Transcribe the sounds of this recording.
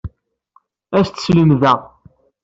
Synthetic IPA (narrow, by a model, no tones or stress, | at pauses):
æst̪sləmðæ